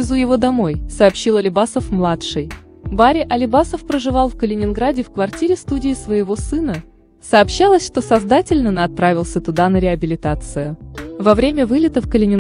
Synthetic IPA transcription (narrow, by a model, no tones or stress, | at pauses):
ɪzujɪvo̞d̪ɐmo̞jsɐːpɕːilˠɐlʲɪbasəfmlˠat̪ʂɨj | baɾʲɪʔɐlʲɪbasəfpɾəʐɨvɑlˠfkəlʲɪnʲɪnɡɾadʲɪfkvɐrtʲiɾʲɪst̪udʲɪːsvəjɪvo̞sɨnə | səːpɕːalˠəsʲʂt̪o̞sɐzd̪atʲɪlʲnənɐt̪̚pɾavʲɪlˠsʲət̪ʊd̪anəɾʲɪɐbʲɪlʲɪt̪at̪sɨjʊvɐvɾʲemʲəvɨlʲɪt̪əfkəlʲɪnʲɪn